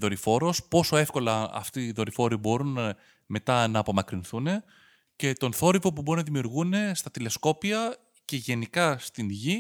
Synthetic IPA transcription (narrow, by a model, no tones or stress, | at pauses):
ðo̞ɾifo̞ɾo̞spo̞so̞e̞fko̞lɐɐ̰ft̪iːðo̞ɾifo̞ɾibo̞ɾun | me̞t̪ɐnɐːpo̞mɐkɾinθune̞ | ce̞t̪o̞nθo̞ɾivo̞pubo̞ɾuinɐðimiuɾɣune̞st̪ɐt̪ile̞sko̞piɐ | ce̞ʝe̞nikɐst̪inʝi